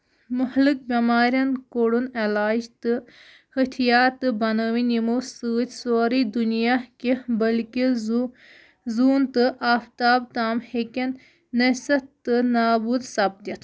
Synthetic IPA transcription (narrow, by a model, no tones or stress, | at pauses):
muhlɨk̚bimaːɾʲjɐnkoɽunelaːd͡ʒt̪ɨ | hit̪ʰijaːt̪ɨbɐnəʋinimosɨːt̪ʲsoːɾid̪unijaːkibɐlki | zuːnt̪ɨʔaːft̪aːbt̪aːmhekɐnː | ɐsɐt̪ɨnaːbuːd̪sɐb̚d̪jɐt̪ʰ